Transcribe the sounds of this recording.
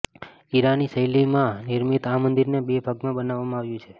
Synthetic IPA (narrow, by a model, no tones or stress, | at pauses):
iɾanisəjlimãniɾmit̪amənd̪iɾnebebʱaɡmãbənaʋːamãaʋjũt͡ʃʰe